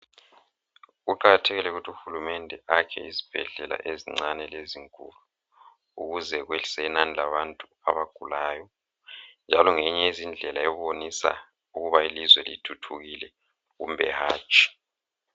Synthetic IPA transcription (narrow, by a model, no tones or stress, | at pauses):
ɣuǃaɣatʰeɣilɛuɣutʰiuxulumɛndʱɛʔakʰɛ̰izi̥b̥ʱɛɮɛla̰ʔeziŋ͡ǀanɛleziŋkʼṵlu | uɣuzɛɣweɬi̥sɛinanilaβantʼu | aβaɡ̥ʱulaːjɔ | nd͡ʒʱalɔŋeɲɛizind͡ɮʱɛlaɛβonisa̰ | uɣuβailizwɛlḭtʰutʰuɣilɛ | ɣṵmbʱɛ̰haːt͡ʃʼi̥